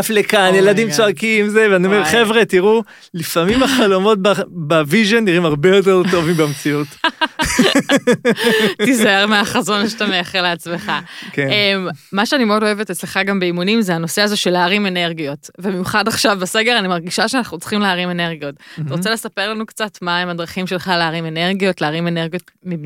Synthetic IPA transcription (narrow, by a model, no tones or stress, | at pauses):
aflekanjeladimt͡soakimzeveaniomeʁχevʁe̞tiʁu | lifamimaχalomo̞t̚babaviʒonːiʁimaʁbejo̞t̬eʁtovimbemt͡siut | izaeʁmeaχazo̞nʃtameaχeʁleat͡sme̞χakenemːaʃeanime̞o̞do̞e̞vetet͡sleχaɡambeimunimzeano̞se̞azo̞ʃe̞laːʁime̞ne̞ʁɡijo̞tvemejuχadaχʃavbese̞ɡe̞ʁanimaʁɡiʃaʃeanaχnut͡sχimleaʁime̞ne̞ʁɡijo̞ttaʁot͡selesape̞ʁlanukt͡satmaemadʁaχimʃe̞lχaleaʁime̞ne̞ʁɡijo̞tleaʁime̞neʁɡijotmi